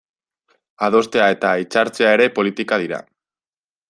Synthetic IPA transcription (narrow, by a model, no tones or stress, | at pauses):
að̞o̞st̪e̞ae̞t̪ait͡saɾt͡se̞ae̞ɾe̞po̞lit̪ikað̞iɾa̰